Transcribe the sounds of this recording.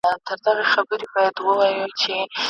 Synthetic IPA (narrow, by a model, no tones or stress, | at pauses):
t̪əɾd̪aɣaxabəɾebɑjad̪wəwajut͡ʃe